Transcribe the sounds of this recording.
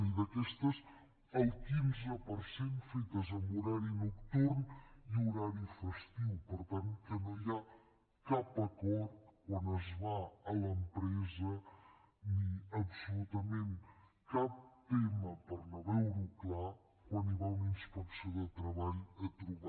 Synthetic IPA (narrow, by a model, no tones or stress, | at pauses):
id̪əkɛst̪əz | əlˠkinzəpəɾsenfet̪əzəmuɾaɾinukt̪uɾniuɾaɾifəst̪iwpəɾt̪ankənoja | kapəkɔɾt̪̚kwanəzβaələmpɾɛzə | niəpsulut̪əmen | kap̚t̪eməpəɾnəβɛwɾukla | kwaniβauninspəksioðət̪ɾəβaʎət̪ɾuβa